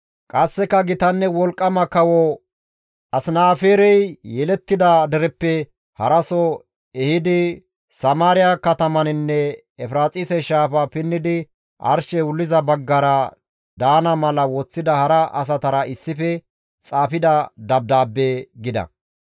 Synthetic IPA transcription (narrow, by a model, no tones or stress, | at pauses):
kʼɐsːɛkɐɡɪt̪ɐnːɛwɔlkʼːɐmɐkɐwɔ | ɐsɪnaːfeːɾɛjjɛlɛt̪ːɪd̪ɐd̪ɛɾɛpːɛ | hɐɾɐsɔ | ɛhɪd̪ɪ | sɐmaːɾɪjakɐt̪ɐmɐnɪnːɛ | ɛfɪɾaːt͡sʼiːsɛʃaːfɐpɪnːɪd̪ɪ | ʔɐ̰ɾʃɛwʊlːɪzɐbɐɡːɐɾɐ | d̪aːnɐmɐlɐwɔt͡sːɪd̪ɐhɐɾɐʔɐs̬ɐt̪ɐɾɐɪsːɪfɛ | t͡sʼaːfɪd̪ɐd̪ɐb̚d̪aːbːeːɡɪd̪ɐ̰